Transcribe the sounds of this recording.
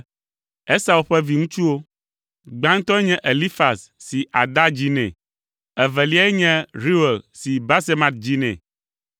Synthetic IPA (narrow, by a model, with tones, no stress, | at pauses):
ɛ˦sa˨u˨ɸɛ˦vi˨ŋũ˦t͡ʃu˦wo˦ | ɡ͡bã˦ŋ̩˦t̪ɔ˦ɛ˦ɲɛ̃˦ʔe˨li˦fa˨sːi˨ʔa˨d̪a˦d͡ʑi˦nɛ̰̃˨ | ɛ˨vɛ˨li˦a˦ɛ˦ɲɛ̃˦ɾi˦we˨lsi˨ba˦se˦mã˨t̪̚d͡ʑi˦nɛ̰̃˨